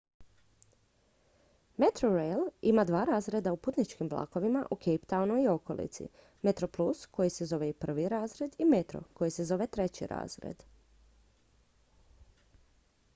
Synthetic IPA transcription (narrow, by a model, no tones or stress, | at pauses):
met̪ɾoɾejlimad̪ʋaːɾaːzɾe̞d̪auput̪nit͡ʃkimblˠa̰ːko̞ʋimaʔukʰejpt̪aunoio̞ko̞lḭt̪sḭ | met̪ɾo̞plˠusko̞jise̞zo̞ʋeipr̩ʋiɾaːzɾe̞d̪ime̞t̪ɾo̰ko̞jise̞zo̞ʋe̞t̪ɾe̞t͡ɕḭɾa̰ːzɾḛd̪